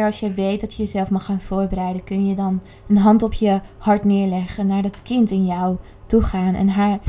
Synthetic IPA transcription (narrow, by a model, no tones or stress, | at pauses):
ɹɑlˠsjəʋejt̚dɑtjəjəzɛlˠfmɑχaːnvʊːɹbəɾɛjdəkɵnjədɑn | ənɦɑntɔpjəhɑɹtnɪːɹlɛχənːaːɹdɑtkɪntɪnjɔw | tuχaːnʔɛ̰nɦaːɹ